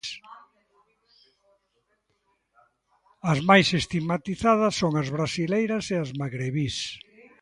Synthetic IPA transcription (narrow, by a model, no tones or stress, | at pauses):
s | ɐzmajsest̪iɣmat̪iθaðɐsːoŋɐzβɾasilejɾɐseazmaɣɾeβis